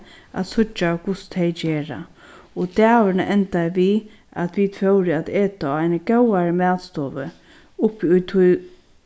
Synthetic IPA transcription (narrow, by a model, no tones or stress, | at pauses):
a̰t̪sʊt͡ʃːakʊst̪ʰejt͡ʃeːɹa̰ | ɔt̪ɛːʋɪnaʔɛnt̪ajʋi | a̰t̪ʰʋid̪fœwɾɪad̪eːt̪aaɪnəkɛwaɾəmæːt̪st̪ɔːʋə̰ | ʊpːʊjt̪ʰʊj